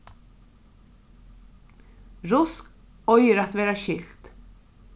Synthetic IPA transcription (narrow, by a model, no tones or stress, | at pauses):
ɾʊsk | ɔjɪɾat̪vɛːɾaʃɪlt̪